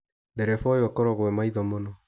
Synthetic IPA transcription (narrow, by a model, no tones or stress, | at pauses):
ndɛɾɛfɔjwɛkɔɾɔɣwɛmaiðɔmonɔ